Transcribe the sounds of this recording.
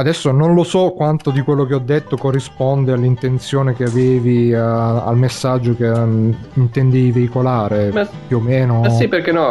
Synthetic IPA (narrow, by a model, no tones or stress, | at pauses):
ad̪ɛsːononlosɔkːwant̪od̪ikwelːok̟eɔd̪ːet̪ːokorːispɔnd̪ealːint̪ent̪sjoːnekeaveːviaa̰lmesːad͡ʒːoke | int̪end̪iveikolaːɾepjuomeːnoiperkenɔ